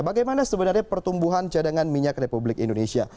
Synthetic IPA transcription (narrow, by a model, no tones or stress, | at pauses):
baɡajmanasəbənarɲapərt̪umbuɦant͡ʃadaŋanmiɲak̚republɪkḭndonesia̰